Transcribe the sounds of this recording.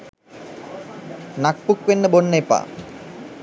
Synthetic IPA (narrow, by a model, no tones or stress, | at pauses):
nak̚pukʋenːəbonːejpa̰ː